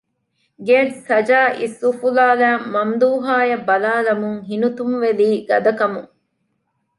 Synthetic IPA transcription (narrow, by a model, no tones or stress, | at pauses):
ɡeːdsɐd͡ʒaːʔisːufulaːlæːmːɐmd̪uːɦaːjɐbɐlaːlɐmuŋɦinut̪umʋeliːɡɐd̪ɐkɐmuŋ